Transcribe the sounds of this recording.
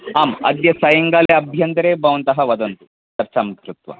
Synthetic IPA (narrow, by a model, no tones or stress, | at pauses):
aːmɐ̰d̪jɐsɐjɐŋɡaleɐbʱjɐnt̪ɾebɐʋɐnt̪ɐɦɐʋɐd̪ɐnt̪u̥ | t͡ʃɐɾt͡ʃamkɾut̪ʋɐ̰